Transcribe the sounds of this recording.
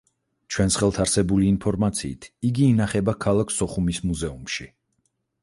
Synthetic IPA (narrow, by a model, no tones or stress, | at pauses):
t͡ʃʰwɛnsχɛlˠt̪ʰaɾsɛbuliːnpʰɔɾmat̪sʰḭːt̪ʰiɡiːnaχɛbakʰalˠakʰsɔχumismuzɛumʃi